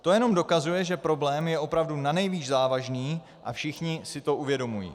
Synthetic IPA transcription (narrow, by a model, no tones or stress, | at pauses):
t̪o̞jɛno̞mdo̞kazujɛʒɛpɾo̞blɛːmjɛʔo̞pɾavdunanɛjviːʒzaːvaʒniː | ʔa̰fʃɪxɲɪsɪt̪o̞ʔuvjɛdo̞mujḭː